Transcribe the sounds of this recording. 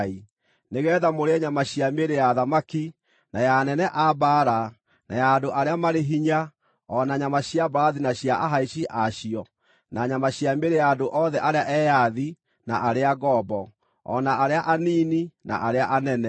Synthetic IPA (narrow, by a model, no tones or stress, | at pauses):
i | neɣɛːðamoɾeɛɲamaɕiameɾejaðamaki | najanɛnɛʔabaɾa | na̰jaːdoʔaɾeamaɾeɦiɲa | ɔnaɲamaɕiabaðinaɕjaʔaɦaiɕiʔaɕiɔ | naɲamaɕiameɾejaːdoʔɔðɛʔaɾeaʔɛjaði | naʔaɾeaɣɔbɔ | ɔ̰naʔaɾeaʔaniːnina̰ʔaɾeaʔanɛnɛ